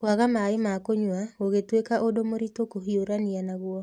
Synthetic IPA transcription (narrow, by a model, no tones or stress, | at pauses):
waɣamaemakoɲwaoɣetwekaʔodomoɾitokoɦioɾanianaɣwɔ